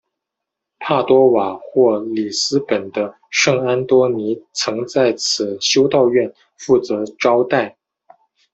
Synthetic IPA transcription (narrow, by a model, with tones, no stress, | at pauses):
pʰa˥˩t̪wɔ˥wa˨˩xwɔ˥˩li˨˩sɹ̩˥pə˨˩nd̪ə˦ | ʂɤ˥˩ŋa˥nt̪wɔ˥ni˧˥t͡sʰɤ˧˥ŋt͡sa˥˩ɪt͡sʰɹ̩˨˩ɕjo˥ʊt̪ɑ˥˧ʊɥɛ˥˧n | fu˥˩t͡sɤ˧˥ʈ͡ʂɑ˥ʊt̪a˥˩ɪ